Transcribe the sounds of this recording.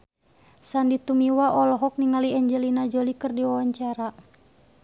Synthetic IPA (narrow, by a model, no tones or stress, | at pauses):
sandit̪umiwaʔɔlɔɦɔk̚niŋaliɛɲd͡ʒəlinad͡ʒolikɨrdiwawaɲt͡ʃaɾa